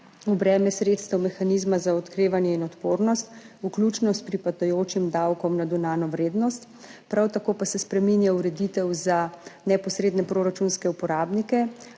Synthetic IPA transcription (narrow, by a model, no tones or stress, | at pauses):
ɔbɾɛːmjɛsɾet̪st̪ɛwmɛxanizmazaɔt̪kɾeːʋanjɛinɔt̪poːɾnɔst̪uklʲuːt͡ʃnɔspɾipat̪ɔjoːt͡ʃimd̪awkɔmnad̪unaːnɔʋɾeːd̪nɔst̪ | pɾʔawt̪akoːpasɛspɾɛminjauɾɛd̪it̪ɛwzanɛpɔsɾeːd̪nɛpɾoːɾat͡ʃunskɛupɔɾaːbnikɛ